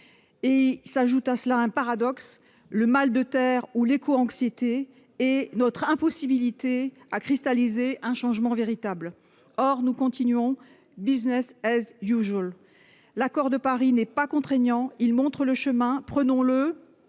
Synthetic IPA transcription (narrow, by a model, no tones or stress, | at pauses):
esaʒut̪asəlaɛ̃paʁad̪ɔks | ləmald̪ət̪ɛʁulekʰoɑ̃ksjet̪eː | nɔt̪χɛ̃pɔsibilit̪e | akχist̪alizeʔɛ̃ʃɑ̃ʒmɑ̃veʁit̪abl | ɔʁnukɔ̃t̪inɥɔ̃ | biznɛsɛzjuʒəl | lakɔʁd̪əpaʁinɛpakɔ̃t̪χɛɲɑ̃ilmɔ̃t̪χələʃəmɛ̃pχənɔ̃lə